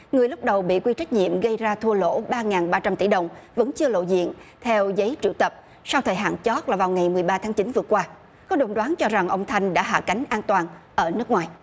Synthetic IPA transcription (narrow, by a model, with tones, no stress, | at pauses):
ŋɨ˨˩əjlʊ˦˥k͡p̚ɗə˨˩wɓḭ˧˨kwi˧t͡ɕa˦˥jk̟̚ɲḭ˧˨əmɣə˧jzaː˧t̪ʰu˧əlo̰˧˥ɓaː˧ŋaː˨˩nɓaː˧t͡ɕa˧mt̪i˧˩ɗə˨˩wŋ͡mvə̰˧˥nt͡ɕɨ˧əlo̰˧˨zḭ˧˨ənt̪ʰɛ˧wzə˨˦jt͡ɕḭ˧˩˨wt̪ə˨˩p̚ | sa˧wt̪ʰəː˨˩jɦa̰ː˧˨nt͡ɕɔ˦˥t̚laː˨˩vaː˨˩wŋa˨˩jmɨ˨˩əjɓaː˧t̪ʰaː˨˦ŋt͡ɕi˨˦nvɨ˨˩əkwaː˧ | kɔ˨˦ɗo˨˩nɗwaː˨˦nt͡ɕɔ˧za˨˩ŋʔə˧wŋ͡mt̪ʰa˧jŋ̟ɗa̰ː˧˥ɦa̰ː˧˩ka˨˦ŋ̟ʔaː˧nt̪waː˨˩nʔəː˧˩nɨ˦˥ək̚ŋwaː˨˩j